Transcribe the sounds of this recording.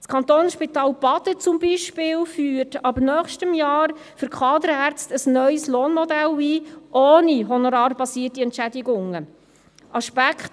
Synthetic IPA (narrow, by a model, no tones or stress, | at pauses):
skʰɑnt̪oːnʃpitɑːlb̥ɑt̪ət͡sʊmbiʃpɪːlfyːɾtɑbnœːχʃtəmjɑːɾ | fʏɾkʰɑːdəɾæɾt͡stəsnœʏəsloːnmɔdæliːʔoːniɦɔnoɾɑːɾbɑsiːərtiɛntt͡ʃædiɡʊŋə | ʔɑʃpækχt